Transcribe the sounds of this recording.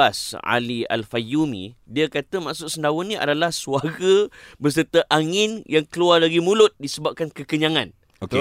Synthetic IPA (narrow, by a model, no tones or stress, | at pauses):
asa̰lia̰lfajumḭ̃diakat̪əmaʔsʊtʔ̚səndawʊnːĩʔa̰dalahsuaɡəbəs̬ərt̪əʔaŋɪnjaŋkəluarlaɡimulʊt̪̚disəbap̚kankəkəɲaŋãn | oke